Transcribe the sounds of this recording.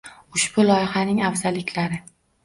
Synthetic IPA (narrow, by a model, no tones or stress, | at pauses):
ʊʃb̥ʊlɒjhanɪŋavzalɪkʲʰlaɾɪ